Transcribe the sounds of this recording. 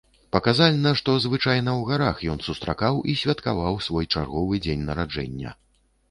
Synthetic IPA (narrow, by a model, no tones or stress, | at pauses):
pɐkazalʲnɐʂt̪ɔzvɨt͡ʂajnɐwɣaɾaxjɔnsust̪ɾa̰kawisʲvʲɐt̪kavawsvɔjt͡ʂa̰rɣɔvɨd͡zʲenʲnɐɾad͡ʐɛ̰nʲːɐ̰